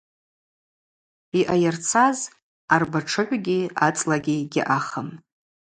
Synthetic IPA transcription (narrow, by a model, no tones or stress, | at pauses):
iʔajart͡sʰaz | arbaʈ͡ʂʰɨħʷɡʲiat͡sʼlaɡʲiɡʲɪʔaχəm